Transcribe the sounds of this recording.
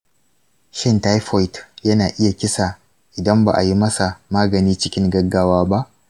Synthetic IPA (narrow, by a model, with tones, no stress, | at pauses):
ʃɪ˦˨nta˦jɸɔ˦jtjɐ˦naː˨ʔɪ˦ja˨kʲɪ˦sa˨ | ʔɪ˨dɐ˦mba̰˨ʔa˨ji˦mɐ˦sa˨maː˦ɡɐ˨niː˦t͡ʃɪ˦kʲɪ˦ŋɡɐ˦ɡːaː˦waː˦ba˦ʔ